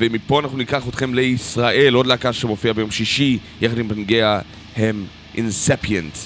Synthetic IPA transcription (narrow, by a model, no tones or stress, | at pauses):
vemipo̞anaχnunikaχot̪χe̞mleisʁaʔe̞lo̞dleakaʃemofiabejo̞mʃiʃijeχadimbanɡea | hem | ʔḭnsepjent